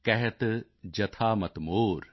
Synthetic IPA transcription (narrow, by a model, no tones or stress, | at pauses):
kɐɦet̪ | d͡ʒɐt̪ʰaːmɐt̪moːɾ